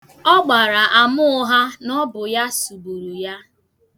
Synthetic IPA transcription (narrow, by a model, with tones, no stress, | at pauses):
ɔ˦ɡ͡ba˨ɾa˨ʔa˨mʊ˦ʊ˦ɦa˦nɔ˦bʊ˨ja˦su˨bu˨ɾu˨ja˦